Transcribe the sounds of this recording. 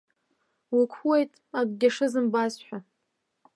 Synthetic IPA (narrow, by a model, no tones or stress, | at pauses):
wikʷʰwejtʼaɡ̚ʷɡʲaʂɨzɨmbazħʷᶣa